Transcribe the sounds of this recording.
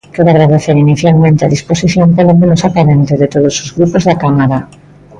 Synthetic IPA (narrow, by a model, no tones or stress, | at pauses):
keðaɣɾaðeθeɾiniθjalmẽnt̪eaðisposiθjoŋpelomẽnosapaɾẽnt̪eðet̪oð̞osozɣɾupozðakamaɾa